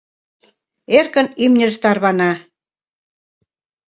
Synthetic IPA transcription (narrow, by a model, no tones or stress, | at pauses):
erkə̆nymnʲə̆ʒt̪ɑrβɑnɑ